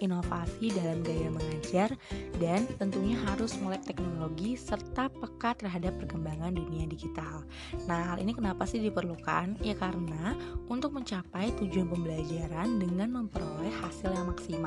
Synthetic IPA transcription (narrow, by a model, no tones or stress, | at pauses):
ʔinofasidalamɡajaməŋad͡ʒardant̪ənt̪uɲaɦaɾʊsmolɛk̚t̪ɛk̚noloɡisərt̪apəkat̪ːərɦadapːərkəmbaŋanduniadiɡit̪al | nahhalʔḭnikənapasɪhdipərluka̰njakaɾənaʔunt̪ʊk̚məɲt͡ʃapajt̪ud͡ʒuanpəmbəlad͡ʒaɾandəŋanməmpəɾolɛhhasɪljaŋmaksima